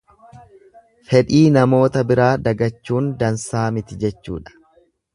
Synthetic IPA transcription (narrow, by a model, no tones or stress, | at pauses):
fɛᶑiːnɐmo̞ːt̪ɐbɪɾaːd̪ɐɡɐt͡ʃːuːnd̪ɐnsaːmɪt̪ɪd͡ʒɛt͡ʃːṵːᶑɐ̥